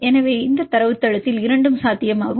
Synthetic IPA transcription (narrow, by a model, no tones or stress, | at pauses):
ɛnɐʋeːɪnd̪ɐt̪ːɐɾɐʋɯt̪ːɐɻɐt̪ːɪlɪɾɐɳɖɯmsaːt̪ːɪjɐmaːɣɯ